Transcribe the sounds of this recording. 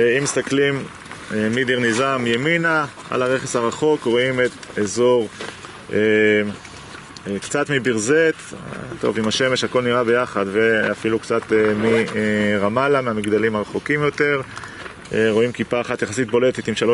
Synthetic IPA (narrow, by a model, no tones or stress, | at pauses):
imːist̪aklim | mid̪iʁnizamjemina | a̰laʁe̞χesaʁaχo̞kʁo̞imet̪ezo̞ʁ | e | kt͡sat̪mibiʁzet̪t̪o̞̰vimaʃe̞me̞ʃhako̞lniʁabe̞jaχad̪veafilukt͡sat̪emiʁamalameamiɡd̪alimaʁaχokimjo̞t̪e̞ʁ | eʁo̞imkipaːχat̪jaχasit̪̚bo̞le̞t̪et̪imʃalo